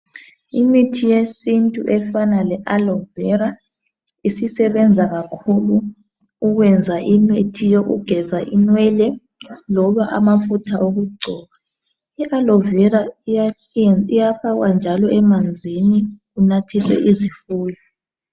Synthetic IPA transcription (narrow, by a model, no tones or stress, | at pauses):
imitʰijesintʼuʔɛfanalɛʔalɔvɛɾa | isisɛβɛnd͡zʱaɣakʰuluː | ɣwɛnd͡zʱaʔimitʰijoɣṵɡ̥ʱɛzaʔinwɛlɛ | lɔβaʔa̰mafutʰaʔoɣuɡ͡ǀʱɔːɣa | iʔalɔvɛɾa | ijafaɣwand͡ʒʱalɔʔɛmand͡zʱini | unatʰiswɛ̰ʔizifuːjɔ